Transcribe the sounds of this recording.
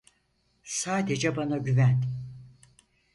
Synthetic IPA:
saːd̪ed͡ʒɛbanaɟyvæn

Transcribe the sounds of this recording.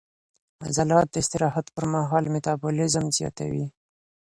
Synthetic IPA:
a̰zalɑt̪̚d̪əɪst̪ɪɾɑhat̪pəɾmaɦɑlmɪt̪abulɪzmzjɑ̰t̪a̰wi

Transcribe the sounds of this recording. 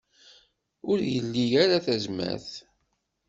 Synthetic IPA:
ʊɾjəlːijaɾaθæzmæ̰θ

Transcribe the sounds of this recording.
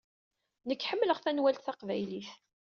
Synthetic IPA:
nəkːħəmːləʁθænwælt̪θɑqvæjliθ

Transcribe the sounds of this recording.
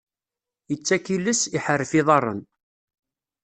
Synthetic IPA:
jət͡sːækilːəsiħərːəfiðˤɑrˤːə̰n

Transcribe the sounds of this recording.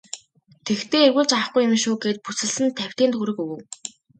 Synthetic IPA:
t̪ʰekt̪eːerɣuːɮt͡ɕawə̆χɡujɪ̆mʃuːɡeːt̪̚put͡sɘ̆ɮsɘ̆nt̪ʰæw̥ʲt̪iːnt̪xuɾɘ̆kɵɣɘ̆w

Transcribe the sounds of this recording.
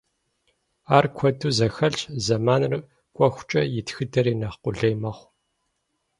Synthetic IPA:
aːrkʷʰɔtʰuːzɐxɐɮt͡ʃʼzɐmaːnr | kʷʼɔxʷt͡ʃʼɐjɪtxɨdʰɐɾiːnɐqʷʊɮeːmɐχʷ

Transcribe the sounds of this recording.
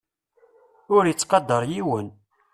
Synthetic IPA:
ʊɾjət͡sːqɑd̪ːəɾˤjiwən

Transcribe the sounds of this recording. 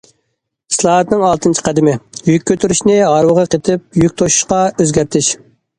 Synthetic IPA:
i̥slˠɑːɦɑt̪nɪŋɑlˠt̪ʰɨnt͡ʃʰi̥qʰæd̪ɪmɪjykʲʰːøt̪ʰyɾyʃnɪɦɑɾwəʁɑqʰet̪ʰɪp̚jykʲt̪ʰoʃu̥ʃqɑøzɡʲæɾt̪ʰɪʃ

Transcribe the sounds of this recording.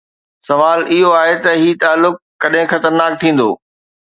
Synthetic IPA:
sɐʋaːlɪɦoaːɦet̪ɐɦiːt̪aːlːʊk̚ːɐɗɦɪ̃xɐt̪əɾnaːk̚t̪ʰĩːn̆d̪o̰ː

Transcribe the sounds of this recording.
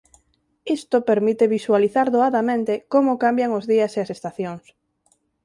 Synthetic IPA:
ist̪opeɾmit̪eβiswaliθaɾðoaðamẽnt̪ekomʊkambjaŋozðiɐseasest̪aθjoŋs

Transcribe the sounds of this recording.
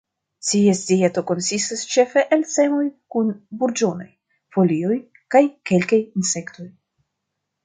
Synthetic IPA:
t͡siesdieto̞ko̞nsistast͡ʃe̞fe̞ʔelt͡se̞mo̞jkunbuɾd͡ʒo̞no̞̰j | fo̞lio̞j | kajke̞lkajinse̞kt̪o̞j

